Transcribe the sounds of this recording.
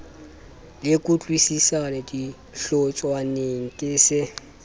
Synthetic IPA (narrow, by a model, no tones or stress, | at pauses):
lɪkʼʊt͡ɬʼwisisanedi | ɬɔt͡ʃʼwaneŋ̩kʼɪsɪ